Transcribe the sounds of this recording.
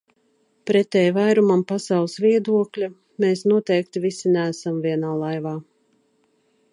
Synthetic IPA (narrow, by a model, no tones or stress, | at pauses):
pɾɛt̪ɛjvajɾumampasawlˠɨsviɛd̪uɔklʲa | meːsnuɔt̪ɛjk̚t̪ivisinæːsamviɛnaːlˠajvaː